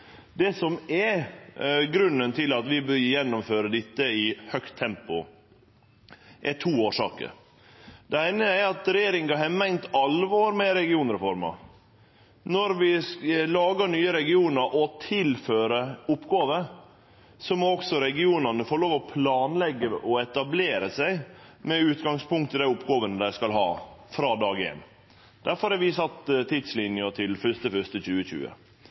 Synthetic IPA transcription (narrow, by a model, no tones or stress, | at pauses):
d̪ɛsɔmɛ | ɡɾʉnːənt̪ʰɪlɑt̪ʋɪbœɾjɛnːɔmføːɾəd̪ɪt̪ːəɪhœkt̪ʰːɛmpʊ̰ | ʔɛʈʰuːoːʂɑ̰ːkə̰ɾ | d̪̥ɛæɪnəæɾɑt̪ɾɛjeːɾɪŋɡɑɦɛmɛŋnt̪ɑlʋoːɾmɛɾɛɡɪuːnɾɛfɔɾmɑ̰ | nɔɾʋɪlɑːɡəɳyːəɾɛɡɪuːnəɾʔɔt̪ʰɪlføːɾəʊpːɡɑːʋə | sɔmɔɔksɔɾɛɡɪuːnɑnəfoːɾɭoːʋɔpʰlɑːnlɛɡːəʔɔɛt̪ɑbleːɾəsæɪmɛʉːt̪ɡɑŋspʊŋkt̪ʰɪd̪æɪʊpːɡoːʋənəd̪æɪskɑlɦɑ̰ːfɾɑːd̪ɑːɡɪɛ̰n | d̪̥æɾfɔɾhɑʋɪsɑt̪ːt̪ʰɪd̪slɪnjɑt̪ʰɪlfœʂt̪əfœʂt̪əçʉːəçʉ̰ːə̰